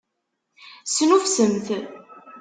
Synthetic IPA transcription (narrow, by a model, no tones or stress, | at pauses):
snufsəmθ